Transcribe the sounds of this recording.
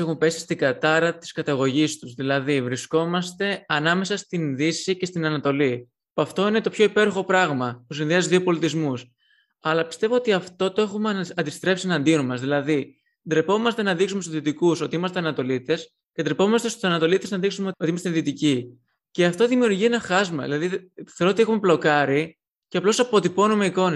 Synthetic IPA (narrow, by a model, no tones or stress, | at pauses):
exumpe̞si̥st̪iɡɐt̪ɐɾɐt̪i̥skɐt̪ɐɣo̞ʝist̪uzðilɐðivɾisko̞mɐst̪e̞ɐnɐme̞sɐst̪inðisice̞st̪inɐnɐt̪o̞li | pɐft̪o̞ine̞t̪o̞pço̞ipe̞ɾoxo̞pɾɐɣmɐpusinðiɐziðio̞po̞lit̪izmus | ɐlɐpist̪e̞vo̞ot̪iɐft̪o̞t̪o̞e̞xumeɐnd̪ist̪ɾe̞psienɐnd̪inomɐsðilɐði | d̪ɾe̞po̞mɐst̪e̞nɐðiksume̞st̪uzðit̪ikuso̞t̪iimɐst̪e̞ɐnɐt̪o̞lit̪e̞s | ced̪ɾepo̞mɐst̪e̞st̪u̥sɐnɐt̪o̞lit̪eznɐðiksumeot̪iimɐst̪eðit̪ici | ce̞ɐft̪o̞ðimiuɾʝienɐxɐzmɐ̰ðḭlɐðiθeɾot̪iexume̞plo̞kɐɾi | ceɐplo̞sɐpo̞t̪ipo̞nume̞iko̞ne